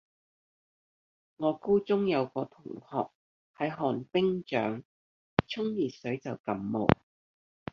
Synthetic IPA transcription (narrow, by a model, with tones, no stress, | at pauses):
ŋɔː˨˧kuː˥t͡sʊ˥ŋjɐ˨˧wkɔː˧t̪ʰʊ˨˩ŋhɔː˨k̚ | hɐ˨˥jɦɔː˨npɪ˥ŋt͡ʃœ̰ː˨˥ŋ | t͡sʰʊ˥ŋjiː˨t̚sɵ˨˥ɥt͡sɐ˨wkɐ˨˥mːo̰˨˩w